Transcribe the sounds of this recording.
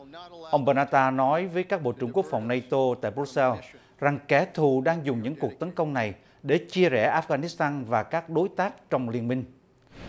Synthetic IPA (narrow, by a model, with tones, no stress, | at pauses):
ʔə˧wŋ͡mɓəː˧naː˧t̪aː˧nɔ˨˦jvəː˨˦jkaː˦˥k̚ɓo̰˧˨t͡ɕɨ˧˩ŋku˦˥ək̚fa˨˩wŋ͡mna˧jt̪o˧t̪a̰ː˧˨jbu˦˥t̚sɛ˧l | za˨˩ŋkɛ˨˩˦t̪ʰu˨˩ɗaː˧ŋzʊ˨˩ŋ͡mɲɨ̰˧˥ŋku˨˩ək̚t̪ə˨˦nkə˧wŋ͡mna˨˩j | ɗe˧˩t͡ɕi˧əzɛ̰˧˩ʔaː˦˥fɣaː˧ni˦˥st̪aː˧nvaː˨˩kaː˦˥k̚ɗo˨˦jt̪aː˦˥k̚t͡ɕɔ˧wŋ͡mli˧ənmï˧ŋ̟